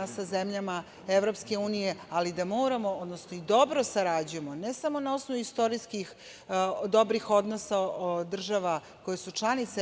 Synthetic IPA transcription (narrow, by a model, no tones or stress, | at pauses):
sazemʎama | eʋɾo̞pske̞uːnijealid̪amo̞ːɾamo̞od̪nosnoid̪o̞bɾosaɾad͡ʑuje̞monesamo̞nao̞snoʋuist̪o̞ɾiskix | d̪o̞bɾixo̞d̪no̞saod̪r̩ʒaʋa | ko̞jesut͡ʃlˠanit̪se